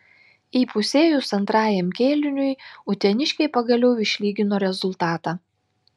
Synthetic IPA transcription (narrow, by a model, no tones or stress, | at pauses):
iːpʊsʲeːjuːsɐnt̪ɾɑːjɛmkʲeːlʲɪnʲʊjʊt̪ʲɛnʲɪʃʲkʲɛɪpɐɡɐlʲɛʊɪʃʲlʲiːɡʲɪnoːɾʲɛzʊlʲˠt̪ɑːt̪ɑː